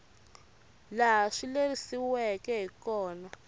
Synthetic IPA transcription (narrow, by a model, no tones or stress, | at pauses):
laɦaʂilerisiwɛkɛɦikɔːna